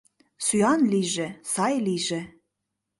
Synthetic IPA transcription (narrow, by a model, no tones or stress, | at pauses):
syɑnliʒĕsɑjliʒĕ